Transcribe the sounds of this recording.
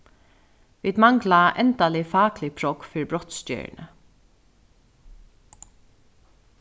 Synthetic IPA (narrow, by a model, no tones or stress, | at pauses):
ʋiːd̪maŋklaʔɛnt̪alɪfɑːklɪpʰɹɔkfɪɹbɾɔht̪st̪jœ̰ɹnə̰